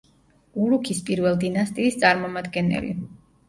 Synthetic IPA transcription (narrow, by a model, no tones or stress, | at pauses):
uɾukʰispʼiɾvɛlˠd̪inast̪ʼiːst̪sʼaɾmɔmad̪ɡɛnɛ̰lḭ